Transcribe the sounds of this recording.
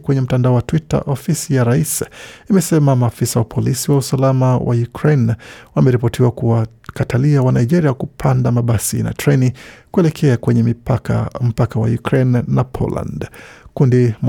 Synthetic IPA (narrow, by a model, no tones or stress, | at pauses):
kwɛɲɛm̩tandaɔwatwita̰ʔɔfisijaɾaisimɛsɛmamaːfisawapʰɔlisiwausalamawʔa̰jukɾenwamɛɾipɔtiwakuwa | kataliawanaiʄɛɾiakupʰandamaɓasḭna̰tɾɛnikuɛlɛkʰɛakwɛɲɛmim̩pakawa̰jukɾɛnːapʰɔ̰la̰ndkundim